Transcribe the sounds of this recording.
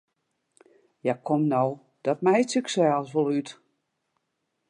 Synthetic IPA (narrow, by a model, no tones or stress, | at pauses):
jakʰomnɔw | d̥ɔtmɛjtsəksɛlˠsvolˠyt